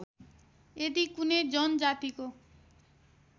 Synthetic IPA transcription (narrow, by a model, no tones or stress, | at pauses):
ed̪ikuned͡ʑɔnd͡ʒat̪iko